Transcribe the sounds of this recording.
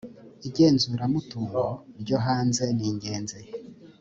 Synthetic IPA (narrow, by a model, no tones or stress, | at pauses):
iɟe̞ːnzuɾamutuɾoɾɟoɦaːnze̞niːɲɟe̞ːnze